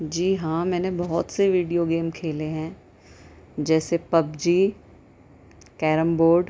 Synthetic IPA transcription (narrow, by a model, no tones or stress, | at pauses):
d͡ʒiːɦãːmɛ̃ːnebɔɦɔt̪seʋiːɖijoɡeːmkʰeːleɦɛ̃ː | d͡ʒɛːsepɐbd͡ʒiː | kɛːɾəmboːɾɖ